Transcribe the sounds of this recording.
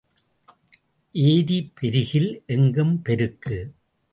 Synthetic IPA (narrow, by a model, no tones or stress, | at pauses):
ʔeːðipɛɾɯɣɪlʔɛŋɡɯmpɛɾɯkːɯ